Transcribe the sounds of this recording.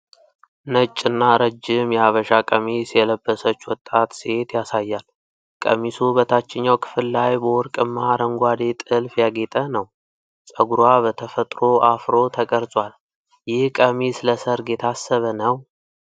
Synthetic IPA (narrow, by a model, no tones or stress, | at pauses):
nət͡ʃʼːɨnːaɾəd͡ʒːɪmjɛaβəʃakʼəmisjɛləbːəsət͡ʃːwɔt̪ʼːat̪set̪jasajːal | kʼə̰misubət̪ʰat͡ʃːɪɲːawkʰɨ̥fɨlːajbəwɔɾkʼɨmːaɾəŋɡʷad̪e̞t̪ʼɨlfjaɡe̞t̪ʼənəw | sʼəɡuɾaβət̪ʰəfət̪ʼɾo̞ʔafɾo̞t̪ʰəkʼəɾsʼwal | jɪhkʼəmisləsəɾɡe̞t̪ʰasːəβənəw